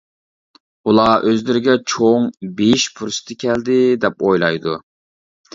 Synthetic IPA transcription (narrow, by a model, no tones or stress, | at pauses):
ulˠɑʔøzlɪɾɪɡʲɛt͡ʃʰoŋbeʃpʰuɾsɨ̥t̪ʰɪkʲʰɛld̪ɪd̪ɛpojlˠɑjd̪u